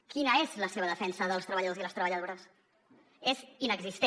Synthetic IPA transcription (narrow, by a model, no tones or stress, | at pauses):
kinəezləseβ̞əðəfɛnsəðəlˠst̪ɾəβəʎəðoziləst̪ɾəβəʎəðoɾəs | ezinəɡzist̪e